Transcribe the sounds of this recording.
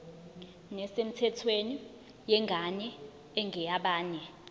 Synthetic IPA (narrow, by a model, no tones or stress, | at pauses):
nɛsem̩tʰɛtʰweni | jɛŋɡʱaɲɛ | ɛŋʱɛjaɓaːnɛ